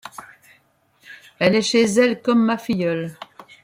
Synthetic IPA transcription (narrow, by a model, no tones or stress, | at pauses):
ɛlɛʃezɛlkɔmːafijœl